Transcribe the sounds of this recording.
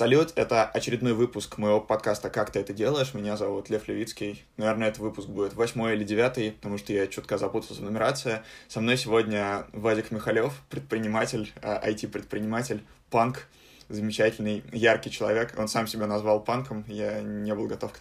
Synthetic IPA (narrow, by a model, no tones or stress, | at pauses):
sɐlʲut̪ɛt̪əɐt͡ɕɪɾʲɪd̪no̞jvɨpʊskməjɪvo̞pɐt̪̚kast̪əkakt̪ɨɛt̪ədʲe̞lˠəɪʂmʲɪnʲazɐvut̪lʲeflʲɪvʲit̪skʲɪjnɐvʲe̞rnəɛt̪ət̪vɨpʊsk̚budʲɪt̪vɐsʲmo̞jilʲɪdʲɪvʲat̪ɨjpət̪ɐmuʂt̪əjat͡ɕot̪̚kəzɐput̪əlˠsʲənəmʲɪɾat̪sɨjəsɐmno̞jsʲɪvo̞dʲnʲəvadʲɪkmʲɪxɐlʲofpɾʲɪt̪̚pɾʲɪnʲɪmatʲɪlʲaʔɐ̰jtʲipɾʲɪt̪pɾʲɪnʲɪmatʲɪlʲ | pank | zəmʲɪt͡ɕætʲɪlʲnɨjjarkʲɪjt͡ɕɪlˠɐ̰vʲe̞ko̞nsamsʲɪbʲanɐzvalˠpankəmjanʲebɨlˠɡɐt̪o̞fk